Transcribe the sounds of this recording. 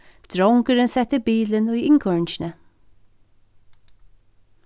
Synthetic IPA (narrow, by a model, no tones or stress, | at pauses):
d̪̥ɹɔŋkəɾənsɛt̪ɪbiːlənʊjɪŋkʰɔɹnʃnə